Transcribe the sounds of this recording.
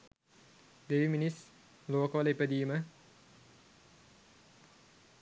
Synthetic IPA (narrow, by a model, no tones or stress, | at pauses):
d̪eʋiminis | loːkolepəd̪iːmə